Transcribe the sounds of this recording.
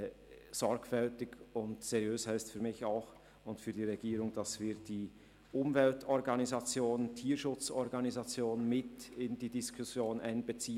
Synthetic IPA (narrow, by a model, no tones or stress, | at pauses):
z̥ɔɾkfɛltɪɡʊntseʁjøːshɛɪstfyːɐmɪçaʊx | ʊntfyːɐdiːʁɛɡiːʁʊŋd̥ɑsv̥iːd̥iː | ʔʊmvɛltɔʁɡɑnizat͡sjoːnəntʰiːɐʃʊt͡sɔʁɡɑnizat͡sjoːnənmɪtɪndiːdiskʰʊsjoːnʔa̰ɪnbət͡siː